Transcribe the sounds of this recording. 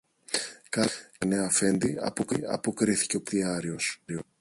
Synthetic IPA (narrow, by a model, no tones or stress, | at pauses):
kɐneɐfe̞nd̪iɐ̰po̞kiɐ̰po̞kɾiθi̥ce̞o̞ptiɐɾio̞si